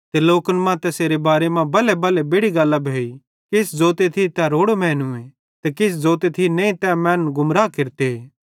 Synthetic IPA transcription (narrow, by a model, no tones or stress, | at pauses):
t̪eloːkənmãt̪ɛseːɾebaːɾemãbɐlebɐlebeːɽiɡɐlːabʱeːi | kɪsd͡zoːt̪et̪ʰit̪ɛɾoːɽomɛ̃ːnʊ̃ẽ | t̪ekɪs̬d͡zoːt̪et̪ʰinẽĩt̪ɛmɛ̃ːnɡʊmɾaːkɪɾt̪eeː